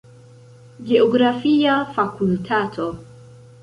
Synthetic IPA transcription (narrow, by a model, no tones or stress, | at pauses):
ɡeɔɡɾafiafakultʰatʰo